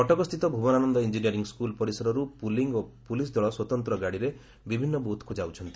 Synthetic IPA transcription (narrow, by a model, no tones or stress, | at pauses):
ɔʈɔɡɔst̪ʰit̪ɔbʱubɔnanɔnd̪ɔind͡ʒinijɔɾiŋɡskulpɔɾisɔɾɔɾupuliŋɡopulis̬d̪ʱɔɭɔswɔt̪ɔnt̪ɾɔɡaɽiɾe | bibʱinːɔbut̪kud͡ʒawt͡ʃʰɔnt̪i